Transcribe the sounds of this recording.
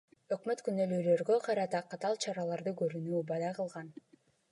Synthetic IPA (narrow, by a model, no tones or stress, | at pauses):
ø̞kmø̞t̪kynølyːlø̞ɾɡø̞qʰɑɾɑt̪ɑqʰɑt̪ɑlˠt͡ʃʰɑɾɑlˠɑɾd̪ɯkøɾynyːbɑd̪ɑqɯlˠʁɑn